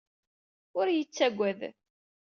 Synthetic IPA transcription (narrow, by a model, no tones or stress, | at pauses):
ʊɾjət͡sːæɡʷæð